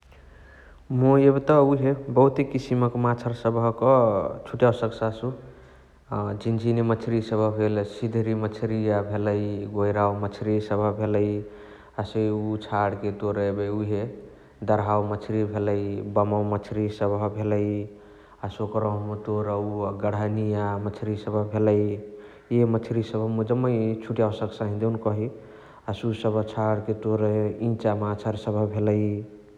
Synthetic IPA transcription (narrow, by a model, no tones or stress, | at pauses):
moebt̪ɔuɦebəɦut̪ekisiməkmat͡ʃʰəɾsəbʱəkɔt͡ʃʰuʈjawsəksasu | d͡ʒind͡ʒʱinimət͡ʃʰɾisəbʱəbʱelsid̪ʱɾimət͡ʃʰɾiabʱeləjɡojɾawmət͡ʃʰɾisəbʱəbʱeləj | əsəut͡ʃʰaɽket̪oɾəbeuɦe | d̪əɾɦawmət͡ʃʰɾibʱeləjbəmawmət͡ʃʰɾisəbʱəbʱeləj | asokɾɔɦmet̪oɾəuɡəɽənijamət͡ʃʰɾisəbʱəbʱeləj | eemət͡ʃʰɾisəbʱəmud͡ʒəmːəjt͡ʃʰuʈijawsəksãɦĩd̪eunkɔɦi | asusəbʱət͡ʃʰaɽket̪oɾəĩt͡ʃamat͡ʃʰəɾsəbʱəbʱeləj